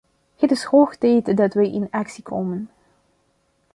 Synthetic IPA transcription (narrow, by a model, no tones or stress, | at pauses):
hətɪshoxtɛjtdɑtʋɛjʔɪnɑksikʰoːmən